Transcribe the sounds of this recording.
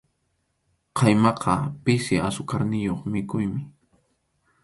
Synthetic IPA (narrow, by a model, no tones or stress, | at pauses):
qʰɑjmɑqʰɑpɪsɪasʊkaɾnɪjoχmɪkʊjmɪ